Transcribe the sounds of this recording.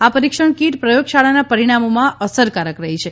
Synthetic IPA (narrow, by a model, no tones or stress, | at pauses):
apəɾikʃəɳ̃kiʈpɾəjoɡʃaɭanapəɾiɽ̃amomãʔəsəɾkaɾəkɾəɦit͡ʃʰe